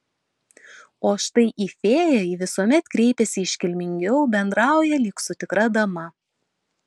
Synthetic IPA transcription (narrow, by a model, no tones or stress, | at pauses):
oːʃt̪ɐɪʔifʲeːjɛjiʋʲɪsuɔmʲɛt̪kɾʲɛɪpʲɛsʲɪɪʃʲkʲɪlʲmʲɪŋʲɡʲɛʊbʲɛnd̪ɾɑˑʊjɛlʲɪːksʊt̪ʲɪkɾɐd̪ɐmɐ